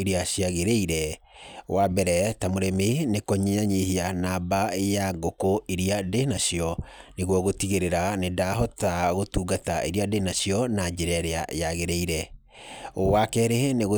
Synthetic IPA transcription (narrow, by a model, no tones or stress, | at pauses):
eɾiaɕiaɣeɾeiɾɛ | wʔabɛɾɛtamoɾɛmenekɔɲeɲaɲehianabaejaŋɡokoʔeɾiadenaɕjɔneɣwɔɣotiɣeɾeɾanedaɦɔtaɣotuːɡataʔḛɾiadenasiɔnad͡ʒeɾɛɾeaʔjaɣeɾeiɾɛ | owakɛɾeneɣo